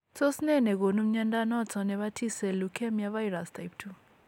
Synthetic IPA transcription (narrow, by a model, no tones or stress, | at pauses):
sosinɛnɛkonum̩ɲandanɔt͡sʰɔnɛβatʰisɛlukʰɛmjavajɾastʰajp̚tʰu